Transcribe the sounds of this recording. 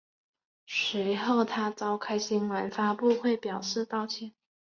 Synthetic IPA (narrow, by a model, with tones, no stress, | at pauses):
ʂi˧˥xo˥˩ʊt̪ʰa˥t͡sɑ˥ʊkʰa˥ɪɕi˥nwa˧˥nfa˥pu˥˧xwe˥˩ɪpjɑ˨˩ʊʂɻ̩˥˧t̪ɑ˥˩ʊt͡ɕʰjɛ˧˥˦n